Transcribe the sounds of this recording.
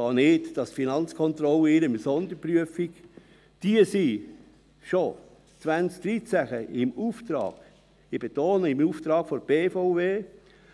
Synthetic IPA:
ɑːnɪtd̥ɑsfinɑnt͡skʰɔnt̪ɾɔlːəɪɾəmsɔnd̪əpɾyəfik | d̥iəsi | ʃo | t͡sʋænt͡sk̚d̪̥ɾit͡sæxəɪmuːft̪ɾɑ̰ːɡ̥ | ib̥et̪oːnəɪmuːft̪ɾɑːɡ̥fɔɾb̥eːfaʊveː

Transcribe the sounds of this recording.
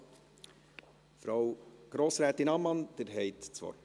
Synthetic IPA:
fɾawɡ̥ɾoːsɾæːt̪ɪnɑmːɑnd̪̥ɪɾɦɛɪtt͡sʋɔ̰

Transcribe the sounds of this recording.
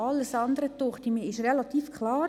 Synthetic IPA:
ɑlːəsɑnd̪əɾət̪ʊχtimiɪʃrɛlɑt̪iːfkʰlɑː

